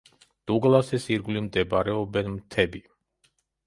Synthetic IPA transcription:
d̪̥uɡlˠasɛsiɾɡlimd̪ɛbaɾɛɔbɛnmt̪ʰɛbi

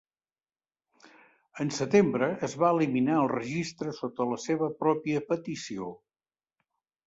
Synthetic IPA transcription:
ənsət̪embɾəʔːzβaəliminaəlˠrəʒist̪ɾəsot̪ələseβ̞əpɾɔpiəpət̪isio

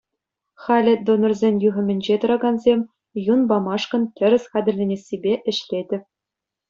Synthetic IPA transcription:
χɑlʲɘ̆d̪onŏrzʲenʲjuʁɘ̆mʲɘ̆nʲd͡ʑet̪ɤ̆ɾɑɡɑnzʲemʲ | junbɑmɑʂkɤ̆ntʲɘ̆ɾʲɘ̆sʲχædʲɘ̆rʲlʲenʲesʲːibʲeʔɘ̆ɕlʲedʲɘ̆pʲ

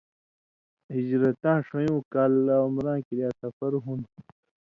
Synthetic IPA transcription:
hid͡ʑɾɐt̪ãːʂɐ̃jũːkaːlaumɾãːkiɾjaːsɐfɐɾɦun

